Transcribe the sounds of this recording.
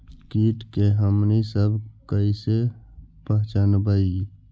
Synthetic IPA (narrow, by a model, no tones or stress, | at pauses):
kiːʈkeɦəmnisəbʱkəisepəɦt͡ʃanbai